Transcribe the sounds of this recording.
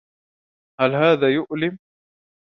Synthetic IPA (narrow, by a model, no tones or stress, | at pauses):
halɦaːðaːjʊʔlɪm